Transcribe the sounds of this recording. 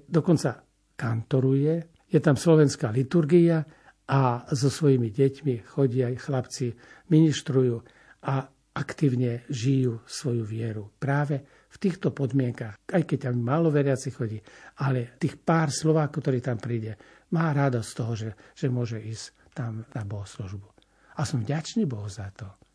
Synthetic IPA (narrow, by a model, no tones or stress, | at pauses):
d̪ɔkɔnt͡sa | kant̪ɔɾujɛ | jɛt̪amslɔʋɛnskaːlit̪uɾɡia | ʔazɔsʋɔjimiɟɛcmixɔɟɪajxlapt͡si | miniʃt̪ɾujuː | a | akt̪iːʊɲɛʒijuːsʋɔjuʋɪɛɾupɾaːʋɛ | ft̪iːxt̪ɔpɔd̪mɪɛŋkaxajkɛc̚t̪ammːaːlɔʋɛɾɪat͡sixxɔɟiːalɛt̪iːxpaːɾslɔʋaːkɔkt̪ɔɾiːt̪ampɾiːɟɛ | maːɾad̪ɔsst̪ɔɦɔʒɛʒ̥ɛmʊɔʒɛiːs | t̪amnabɔɦsluʒbu | asɔmvɟat͡ʃniːbɔɦuzat̪ɔ